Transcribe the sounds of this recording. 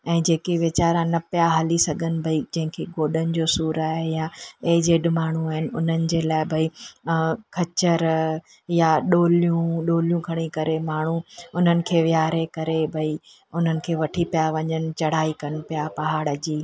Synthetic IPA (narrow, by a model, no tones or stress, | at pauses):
ɛ̃ːd͡ʑeːkeʋɪt͡ɕaːɾãnɐpijaɦɐlisɐɡʱənɪ̆bʱɐid͡ʑɐ̃ɦɪ̃kʰeɡoːɗənɪ̆d͡ʑoːsuːɾaːɦejãeɦd͡ʑeːɗɪmaːɳ̤uaːɦɪnɪ̆ʊn̤ənɪ̆d͡ʑeːlaːɪbʱɐi | kʰɐt͡ɕəɾ | jaɗoːlijũɗoːljũkʰɐɽ̃ikɐɾemaːɳ̤uʊn̤ənɪ̆kʰeːʋɪjaːɾekɐɾebʱɐi | ʊn̤ənɪ̆kʰeːʋɐʈʰipijaʋɐɲənɪ̆t͡ɕɐɽ̤aːikɐnɪ̆pijapɐɦaːɽɐd͡ʑiː